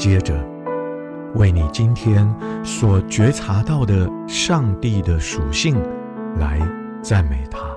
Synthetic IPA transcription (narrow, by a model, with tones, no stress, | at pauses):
t͡ɕjɛ˥ʈ͡ʂə˨ | we˥˩ɪni˨˩t͡ɕi˥nt̪ʰjɛ˥nswɔ˨˩t͡ɕɥɛ˧˥ʈ͡ʂʰa˧˥t̪ɑ˥˩ʊd̪ə˩ | ʂɑ˥˧ŋt̪i˥˩d̪ə˩ʂu˨˩ɕi˥˩ŋ | la˧˦ɪ | t͡sa˥˩nme˨˩ɪt̪ʰa˥